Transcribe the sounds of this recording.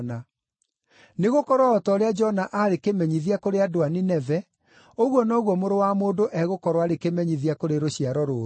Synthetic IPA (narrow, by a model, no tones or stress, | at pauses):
na | neɣokɔɾwaɔtɔoɾead͡ʒɔnaʔaɾekemɛɲiðiakoɾeadoaninɛvɛ | oɣwɔnɔːɣwɔmoɾowamoːdoʔɛɣokɔɾwaɾekemɛɲiðiakoɾeɾoɕiaɾɔɾoː